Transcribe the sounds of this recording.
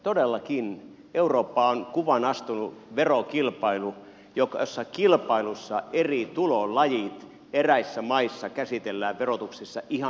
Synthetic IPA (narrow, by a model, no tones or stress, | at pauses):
t̪odelːɑkin | euroːpːɑoŋkuʋɑnɑst̪unuʋerokilpɑilu | jokɑosːɑkilpɑilusːɑerit̪ulolɑjit̪ | eræisːæmɑisːɑkæsit̪elːæːʋʋerot̪uksisːɑʔihɑ